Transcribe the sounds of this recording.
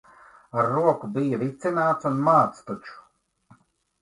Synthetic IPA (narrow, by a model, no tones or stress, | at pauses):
aɾːuɔkubijaɾit̪sinaːt̪sunmaːt̪st̪ut͡ʃu̥